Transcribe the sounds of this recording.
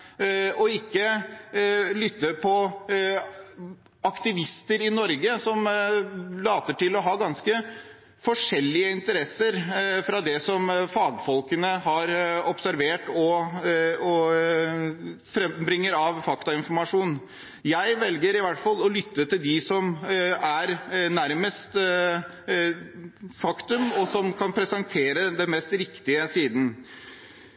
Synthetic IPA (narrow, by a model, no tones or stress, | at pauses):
ɔɪkːə | lʏt̪ːəpʰɔ | ɑkt̪ɪʋɪst̪əɾɪnɔɾɡəsɔm | lɑːt̪əʈɪlɔɦɑːɡɑnskə | fɔʂɛlːɪəɪnt̪əɾɛsəɾfɾɑd̪ɛsɔmfɑːɡfɔlkənəɦɑɾɔpsæɾʋeːʈɔ | ɔ | fɾɛmbɾɪŋːəɾɑʋfɑkt̪ɑɪnfɔɾmɑʂuːn | jæɪʋɛlɡəɾɪʋæʈfɑlːɔlʏt̪ːət̪ɪld̪ɪsɔmæɾnæɾməst̪ | fɑkt̪ʉmɔsɔmkʰɑnpʰɾɛsɛnt̪ʰeːɾəd̪ɛnmɛst̪ɾɪkt̪ɪəsiːd̪n̩